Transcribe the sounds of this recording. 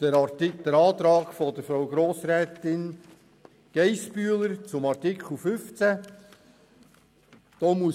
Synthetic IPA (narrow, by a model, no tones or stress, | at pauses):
d̥əɾɑtɪd̪̥əɾɑːt̪ɾɑːɡ̥fɔd̪əɾfɾawɡɾoːsɾɛːt̪ɪn | ɡ̥ɛjspyːləɾt͡sʊmɑɾtɪkχl̩ˠfʏft͡sæ | d̪̥oːmuə